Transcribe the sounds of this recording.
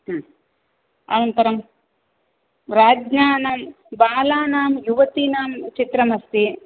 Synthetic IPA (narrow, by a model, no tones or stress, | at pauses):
ɦ | ɐ̰nɐnt̪ɐɾɐm | ɾaːd͡ʒnaːnaːm | baːlaːnaːmjuʋɐt̪inaːmt͡ʃit̪ɾɐmɐst̪i